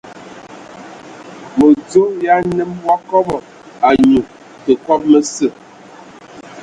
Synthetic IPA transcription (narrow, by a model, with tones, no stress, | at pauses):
mo˨d͡zo˦ja˦nə˦mwa˦kɔ˦bɔ˨ | a˨ɲu˨ | tə˨kɔ˦p̚mə˦sə˦˨